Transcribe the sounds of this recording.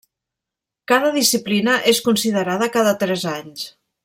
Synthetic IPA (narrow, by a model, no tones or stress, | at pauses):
kaðəðisiplinəʔeskunsiðəɾaðəkaðət̪ɾɛzaɲs